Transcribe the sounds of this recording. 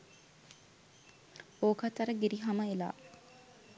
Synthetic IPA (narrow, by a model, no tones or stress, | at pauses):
oːkʰat̪aɾəɡiɾiɦaməela̰ː